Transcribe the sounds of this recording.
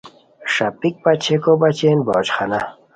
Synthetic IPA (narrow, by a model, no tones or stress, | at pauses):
ʂɐpik̚pɐt͡ɕʰekobat͡ɕeːnbɔːt͡ɕxana